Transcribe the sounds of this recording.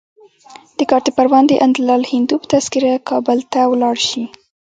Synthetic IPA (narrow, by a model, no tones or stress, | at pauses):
d̪̥əkɑɾt̪epaɾwɑnd̪əʔand̪lɑlhɪnd̪upə̥t̪askiɾakʰɑbəlt̪awlɑɽʃi